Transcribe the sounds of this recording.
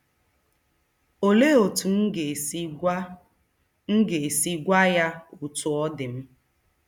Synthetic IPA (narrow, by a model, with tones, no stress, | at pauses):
o˨le˦o˨tu˨n̩˦˨˦ | ŋ̩˦ɡe˨si˦ɡʷa˦ja˦u˨tʊ˨ɔ˦dɪ˨m̩˦